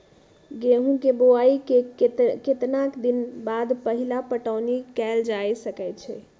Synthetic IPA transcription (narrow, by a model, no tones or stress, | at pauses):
ɡeɦũkeboaikekket̪nakd̪inbad̪pəɦilapəʈəʊnikɛld͡ʒajsəkɛt͡ʃʰɛ